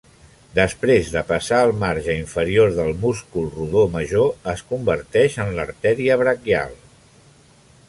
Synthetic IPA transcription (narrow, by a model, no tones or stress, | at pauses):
d̪əspɾezðəpəsaəlˠmaɾʒəiɱfəɾioɾðəlˠmuskulˠruðoməʒoəskumbəɾt̪ɛʃənləɾt̪ɛɾiəβɾəkja̰lˠ